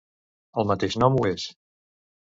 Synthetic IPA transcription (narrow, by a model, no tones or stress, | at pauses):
əlˠmət̪eʃnɔmues